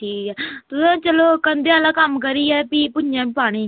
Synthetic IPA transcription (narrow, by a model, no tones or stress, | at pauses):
ʈʰiːkɛːt̪ʊsãt͡ʃəloːkənd̪eaːlãːkəmkəɾiːɛːpiːpʊjãːbiːpaːɽ̃ẽː